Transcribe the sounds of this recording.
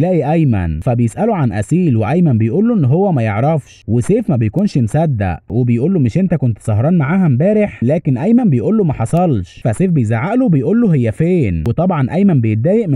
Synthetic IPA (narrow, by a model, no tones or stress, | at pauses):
læːʔiʔæjmæ̰nfæbejesʔæloʕanʔæ̰siːlweʔæjmæmbejʔuːlːoʔenːɦowːæmæjeʕɾˤɑfʃweseːfmæbejkuːnʃmsæd̪ːæ̰ʔwebejʔuːlːomɪʃʔent̪ækont̪sˤɑhɾˤɑːnmaʕaːɦæmbæːɾeħlæːkenʔæjmæmbejʔuːlːomæħɑsˤɑlʃfæseːfbejzaʕaʔlobejʔuːlːoɦejːæfeːnwet̪ˤɑbʕɑnʔæjmænbejet̪̚d̪æːjeʔm